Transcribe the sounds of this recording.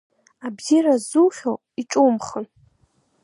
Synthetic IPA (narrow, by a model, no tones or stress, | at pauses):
abziɾazuχʲo | iʈ͡ʂʼumχən